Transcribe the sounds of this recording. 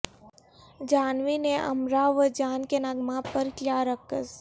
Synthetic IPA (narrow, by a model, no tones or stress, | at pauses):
d͡ʒaːnʋineʔə̰mɾaʋəd͡ʒaːnkenaɡmãpəɾkljaːɾəkəs